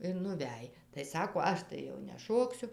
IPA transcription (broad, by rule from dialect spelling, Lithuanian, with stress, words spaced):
ɪr nʊˈʋʲæj tɐɪ ˈsɑːkoː ˈɐʃ tɐɪ jɛʊ nʲɛˈʃoːksʲʊ